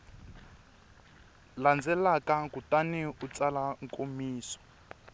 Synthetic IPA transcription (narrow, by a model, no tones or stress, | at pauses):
land͡zɛlakakutaniut͡salaŋkʼomiːsɔ̥